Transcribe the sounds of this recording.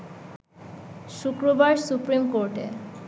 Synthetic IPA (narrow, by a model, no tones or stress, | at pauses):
ʃukɾobaɾsupɾimkoɾʈḛ